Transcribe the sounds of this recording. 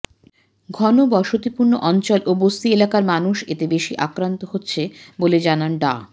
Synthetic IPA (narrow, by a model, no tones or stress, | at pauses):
ɡʱɔnobɔʃot̪ipuɾnoʔɔnt͡ɕolʔobost̪ielakaɾmanuʃet̪ebeʃiʔakɾant̪oɦotːɕʰeboled͡ʑananɖa̰